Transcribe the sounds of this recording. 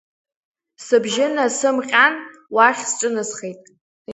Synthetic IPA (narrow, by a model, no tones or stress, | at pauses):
sɨbʒɪnasɨmqʲʼanwaχʲsʈ͡ʂʼɨnɨsχejtʼ